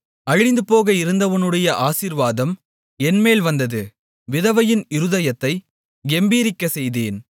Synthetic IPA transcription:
ɐɻɪnd̪ɯpoːɣɐɪɾɯnd̪ɐʋɐnɯɽɐjɐʔaːsiɾʋaːðɐm | ɛnmeːlʋɐnd̪ɐðɯ | ʋɪðɐʋɐjɪnɪɾɯðɐjɐt̪ːɐɪ | ɛmbiːɾɪkːɐsɛjðeːn

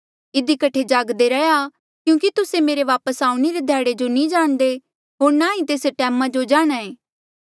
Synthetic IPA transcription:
ɪd̪ikɐʈʰed͡ʒaɡd̪eɾɐja | kjũːkit̪ʊsemeːɾeʋaːpəsaːũñeɾed̪ʱɛːɽed͡ʒonĩd͡ʒaːɽ̃d̪e | ɦoːɾnaɦĩt̪eːsʈɛːmãd͡ʒod͡ʒaːɽ̃aːẽː

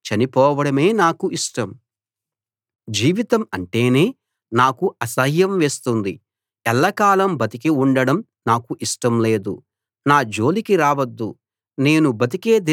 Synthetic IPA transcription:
t͡ʃɐnipɔːʋɐɽɐme̞ːnaːkuʔiʂʈɐm | d͡ʒiːʋit̪ɐmɐɳʈe̞ːne̞ː | naːkuɐsɐɦjɐmʋe̞ːst̪und̪i | ɛlːɐkaːlɐmbɐt̪ikiuɳɖɐɽɐm | naːkuʔiʂʈɐmle̞ːd̪ṵ | naːd͡ʒo̞ːlikiɾaːʋɐd̪ːu | ne̞ːnubɐt̪̬ike̞ːd̪i

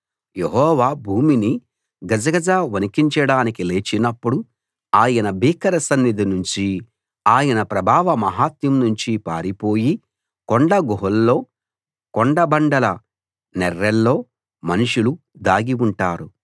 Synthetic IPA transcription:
je̞ɦɔːʋaːbʱuːmini | ɡɐd͡ʒɐɡɐd͡ʒaːʋɐnikiɲt͡ʃɐɽaːnikile̞ːt͡ʃinɐpːuɽu | aːjɐnɐbiːkɐɾɐsɐnːid̪inuɲt͡ʃi | aːjɐnɐpɾɐbʱaːʋɐmɐɦaːt̪jimnuɲt͡ʃipa̰ːɾipo̞ːji | koɳɖɐɡoɦɐlːo̞ː | koɳɖɐbɐɳɖɐlɐ | nɛɾːɛlːo̞ː | mɐnuʂulu | d̪aːɡiuɳʈaːɾu

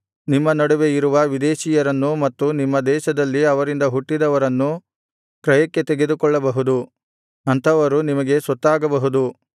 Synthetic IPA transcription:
nimːɐnɐɽuʋe̞iɾuʋɐʋid̪eːʃiːjɐɾɐnːumɐt̪ːunimːɐd̪ɛːʃɐd̪ɐlːiɐʋɐɾind̪ɐɦuʈːid̪ɐʋɐɾɐnːu | kɾɐjɐkːe̞t̪eɡe̞d̪ukɔɭːɐbɐɦud̪u | ɐnt̪ʰɐʋɐɾunimɐɡe̞sɐt̪ːaːɡɐbɐɦud̪u

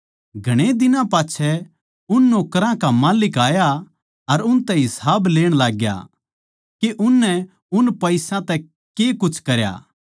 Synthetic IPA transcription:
ɡʱɐɽ̃ed̪ɪnãpaːt͡ʃʰɛ | ʊnːoːkɾãkamaːlɪkaːja | ɐɾʊnt̪ɛɦɪsaːbleːɽ̃laːɡja̰ | keʔʊnːɛ | ʊnpɐɪsãt̪ɛ | kekʊt͡ʃʰkɐɾja̰ː

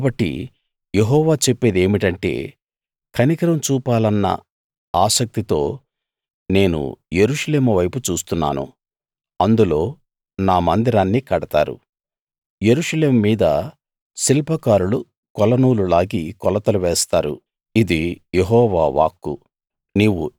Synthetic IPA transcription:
kaːbɐʈːḭ | jeɦɔːʋaːt͡ʃepːeːd̪e̞ːmiʈɐɳʈe̞̰ː | kʰɐnikɐɾɐmt͡ʃuːpaːlɐnːɐ̰ | aːsɐk̚t̪it̪o̞ː | ne̞ːnṵje̞ɾuʂɐle̞ːmɐʋɐjput͡ʃuːst̪unːa̰ːnṵ | ɐnd̪ulo̞ː | naːmɐnd̪iɾaːnːikɐɽɐt̪a̰ːɾṵ | je̞ɾuʂɐle̞ːmːiːd̪ɐ | silpɐkaːɾulu | kɔlɐnuːlulaːɡikɔlɐt̪ɐluʋɛːst̪aːɾṵ | id̪ijeɦɔːʋaːʋa̰ːkːṵ | niːʋṵ

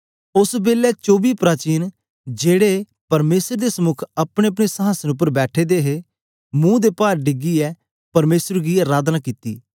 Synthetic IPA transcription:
ʊsbeːlɛt͡ʃoːbiːpɾaːt͡ʃiːn | d͡ʒeːɽe | pɐɾmeːsəɾd̪esəmʊkʰəpɽ̃eɐp̬ɽ̃esəɦaːsənʊp̬ːəɾbɛːʈʰeːd̪eːɦe | mũːd̪eːpaːɾɖɪɡiɛː | pɐɾmeːsəɾɡiːəɾaːd̪naːkit̪ḭː

